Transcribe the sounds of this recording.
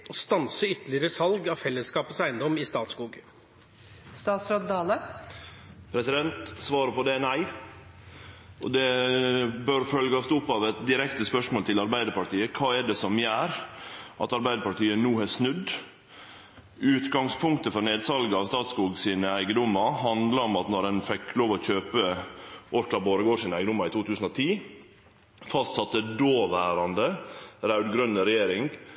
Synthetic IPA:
ɔst̪ɑnsəʏt̪əlɪɾəsɑlɡɑfɛlːəskɑːpət̪sæɪnd̪ɔmɪst̪ɑːt̪skuːɡ | st̪ɑːt̪sɾod̪d̪ɑːlə | pʰɾɛsɪd̪ɛnt̪sʋɑːɾəpɔd̪ɛnæɪ | ɔd̪ɛ | bøɾfœlɡɑst̪ʊpːɑʋɛt̪d̪ɪɾɛkt̪əspœʂmoːlt̪ʰɪlɑɾbæɪd̪əɾpɑʈiːəkʰɑːɛɖɛsɔmjæːɾʔɑt̪ɑɾbæɪd̪əpɑʈiːənuːhɛsnʉd̪ | ʉːt̪ɡɑŋspʰʊŋkt̪əfɔɾneːd̪sɑlɡəɑʋst̪ɑːt̪skuːɡsiːnəæɪɡəd̪ʊmːɑhɑnd̪lɑɔmɑt̪nɔɾɛnfɛkːloːʋɔçøːpəʔoːɾklɑboːɾəɡoːʂiːnəæɪɡəd̪ʊmːɑɪt̪ʰuːt̪ʰʉːsən̩ɔt̪ʰiː | fɑst̪sɑt̪ːəd̪oːʋæːɾɑnd̪əɾæʉd̪ɡɾœnːəɾɛjeːɾɪŋ

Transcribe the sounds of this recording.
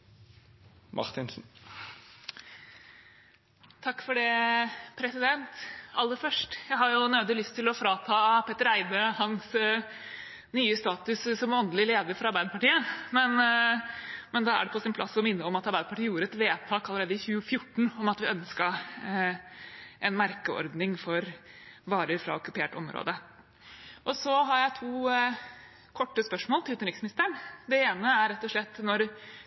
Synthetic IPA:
mʔɑ̰ʁt̪ɪnsn̩ | t̪ʰɑkːfɔɖɛpʰɾɛsɪd̪ɛnt̪ɑlːəfœʂʈjæɪɦɑɾjʊnøːd̪əlʏst̪ʰɪlɔfɾɑːt̪ʰɑːpʰeːt̪əɾæɪd̪əhɑns | nyːəst̪ɑːt̪ʉssɔmɔnd̪əlɪleːd̪əɾfɔɾɑɾbæɪd̪əpɑʈiːəmɛn | mɛnd̪ɑæ̰ɖɛpʰɔsɪnpʰlɑ̰sːɔmɪnːəɔmɑt̪ɑɾbæɪd̪əpʰɑʈʰiːjuːɾəɛt̪ʋeːt̪ʰɑːkɑləɾeːd̪əɪçʉːəfjʊʈːɳ̩ɔmɑt̪ʋɪœnskə | ʔɛnmæɾkəɔ̰ɾd̪nɪŋfɔɾ | ʋɑːɾəɾfɾɑ̰ɔkʉpʰeːʈɔ̰mɾo̰ːd̪ə | ʔɔsɔɦɑɾjæɪt̪ʰuː | kʰɔʈːəspœʂmoːlt̪ɪlʉːt̪ənɾɪksmɪnɪst̪əɳd̪ɛeːnəæɾɛt̪ːɔʂɭɛt̪ːnɔɾ

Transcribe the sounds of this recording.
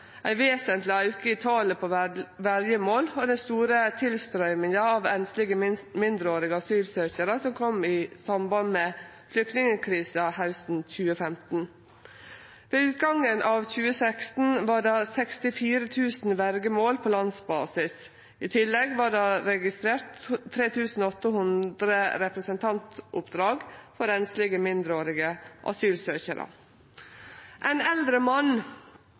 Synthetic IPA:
ʔæɪʋeːsənt̪lɪɑʉkəɪt̪ʰɑːləpʰoʋæɾjəmoːlɔd̪ɛnst̪uːɾət̪ʰɪlst̪ɾœʏmɪŋəɑʋɛnslɪɡəmɪnd̪ɾəoːɾɪɡəɑsyːlsøːçəɾəsɔmkʰɔmɪsɑmbɑnmeːflʏk̚t̪nɪŋəkʰɾiːsəhaʉsn̩c͡çʉːəfɛmt̪n̩ | ʋeːʉːt̪ɡɑŋənʔɑːʋçʉːəsækst̪n̩ʋɑːɖɑːsɛkst̪ɪfiːɾət̪ʰʉːsn̩ʋæɾɡəmoːlpʰoːlɑnsbɑ̰ːsɪs | ɪːt̪ʰɪlːɛɡʋɑːɖɑːɾɛɡɪst̪ɾeːɾt̪ʰːɾeːt̪ʰʉːsn̩oɔt̪ːəhʉnd̪ɾəɾɛpɾəsənt̪ʰɑnt̪ʔʊpd̪ɾɑːɡfɔɾɛnslɪɡəmɪnd̪ɾəoːɾɪɡəʔɑ̰syːlsøːçəɾʔə̰ | ʔæɪnɛld̪ɾəmɑn

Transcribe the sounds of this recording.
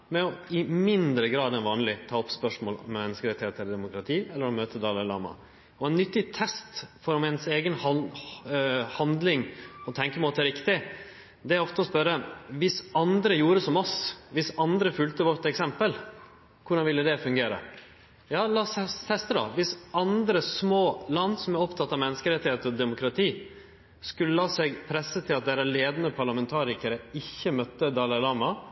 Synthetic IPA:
mɛɔɪmɪnd̪ɾəɡɾɑːd̪ɛnʋɑːnlɪt̪ʰɑːɔpspœʂmoːlɔ̰mɛmɛnːəskəɾɛt̪ɪheːt̪əɛləɖd̪ɛmʊkɾɑt̪ʰiːɛlːəɾɔmøːt̪ʰəd̪ɑːləlɑ̰ːmɑ̰ | ɔɛnnʏt̪ːɪt̪ʰɛst̪fɔɾɔmɛnseːɡənh | hɑnd̪lɪŋɔt̪ʰɛŋkəmoːt̪ɛɾɪkt̪ɪ | d̪ɛæɾɔft̪əɔspœɾːəʋɪsɑnd̪ɾəjuːɾəsɔmɔsʋɪsɑnd̪ɾəfʉlt̪əʋɔɾt̪ɛksɛmpəl | kʰʊɖɑnʋɪlːəd̪ɛfʉŋɡeːɾə̰ | jɑːlɑːsɛt̪ʰɛst̪əd̪ɑ̰ʋɪsɑnd̪ɾəsmoːlɑnːsɔmæɾɔpt̪ʰɑt̪ːɑʋmɛnːəskəɾɛt̪ːɪheːt̪əɔd̪ɛmʊkɾɑt̪ʰiː | skʉlːəlɑːsɛɡpʰɾɛsːət̪ʰɪlɑt̪̚d̪ɛːɾəleːd̪ənəpʰɑɾɭɑmɛnt̪ʰɑːɾɪkəɾəɪçːəmœt̪ːəd̪ɑlɑlɑːmɑ

